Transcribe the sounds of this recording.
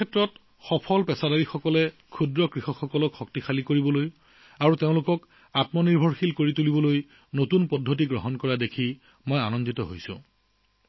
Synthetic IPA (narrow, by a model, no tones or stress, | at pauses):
kʰɛtɹɔt | xɔpʰɔlpɛsadaɹixɔkɔlɛ | kʰudɹɔkɹixɔxɔkɔlɔkxɔk̚tixʰalikoɹibɔloj | aɹuteʊ̃lʊkɔk | atmɔniɹbʱɔɹxilkoɹitulibɔloj | notunpɔdʱːot̬iɡɹɔ̰ɦɔnkɔɹadekʰi | mojanɔnditɔɦojsʊ̰̃